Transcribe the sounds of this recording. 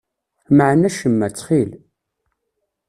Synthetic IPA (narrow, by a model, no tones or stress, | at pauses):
məʕnæʃəmːæt͡sːχil